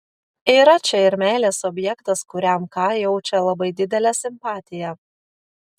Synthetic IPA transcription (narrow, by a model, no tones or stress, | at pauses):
iːɾɐt͡ʃʲɛɪɾmʲæːlʲeːsɔbʲjɛkt̪ɐskʊɾʲæmkɑːjɛʊt͡ʃʲɛlˠɐbɐɪd̪ʲɪd̪ʲɛlʲɛsʲɪmpɑːt̪ʲɪjɛ